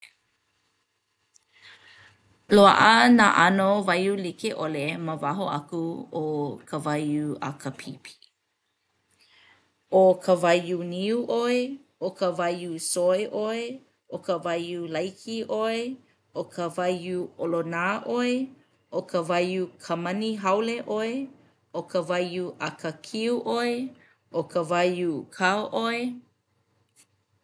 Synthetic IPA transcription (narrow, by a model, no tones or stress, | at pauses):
loa̰ʔəna̰ːʔɐnovɐjulikeʔoleməvaɦoɐ̰kuokʰəvajuɐ̰kəpʰipʰi̥ | okʰəvɐjuniuʔoeokʰəvɐjusoeʔoe | ʔokəvajulɐjkʰiʔoe | okʰəvajuolonaːʔoe | ʔokʰəvajukʰɐmɐniɦɐwleʔoe | okʰəvajuʔɐkʰəkʰiuʔoe | okʰəvajukʰaoʔoe